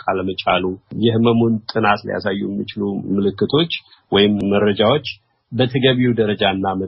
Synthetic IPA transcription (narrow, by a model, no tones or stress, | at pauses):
kʼʰaləmət͡ʃʼalujɪhməmont̪ʼɨnat̪lḭja̰sajːujɛmːit͡ʃɪlumɨlɨkːɨt̪ʰo̞t͡ʃː | wɔjɪmːəɾəd͡ʒawo̞t͡ʃː | bət̪ʰəɡəβiud̪əɾəd͡ʒaɨnːamə